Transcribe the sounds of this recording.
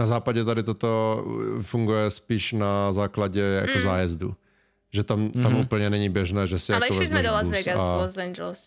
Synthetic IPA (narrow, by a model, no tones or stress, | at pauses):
nazaːpaɟɛt̪adɪt̪ot̪ofuŋɡujɛspiːʃnazaːklaɟɛja̰kozaːjɛzdṵ | ʒɛt̪amt̪amʔuːpl̩ɲɛnɛɲibjɛʒnɛːʒɛsɪjalɛɛoʃvɛizmɛdolauzvɛɡaalosɛnd͡ʒɛls